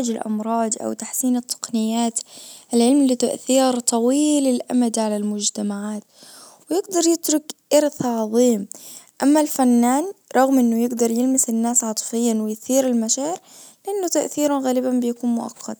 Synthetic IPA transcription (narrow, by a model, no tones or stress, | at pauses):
ɪd͡ʒɪlʔɑ̰mɾˤɑːd̪ˤʔa̰wt̪aħsiːnɨt̪ʰˤːɑ̥qnɪjːaːt̪ʔɪlʕɪlmlit̪aʔθiːɾt̪ˤɑwiːlɪlʔa̰mad̪iʕalalmʊd͡ʒt̪amaʕaːt̪ | wɪjɪɡd̪ɑɾˤjɪt̪ɾʊkʔɑɾθaʕɑðˤiːmʔamːalfanːaːnɾˤɑɣmʔɪnːʊjɪɡd̪ɑɾˤjɪlmɪsɪnːaːsʕɑt̪ˤfɪjːanwɪjθiːɾɪlmaʃaːʕɪɾ | lɪʔanːʊt̪aʔθiːɾˤɑnɣaːlɪbanbɪjakuːnmʊʔa̰qʰːɑd̪̚